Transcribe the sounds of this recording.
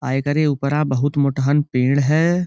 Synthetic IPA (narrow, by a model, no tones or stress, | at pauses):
a̰ːjkəɾeupəɾãbɐɦʊt̪moʈɦənpẽːɽɦɛː